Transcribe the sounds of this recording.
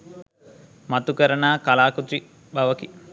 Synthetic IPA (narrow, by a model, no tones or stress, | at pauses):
mat̪ukəɾɐnaːkalaːkut̪ɾi | baʋɐki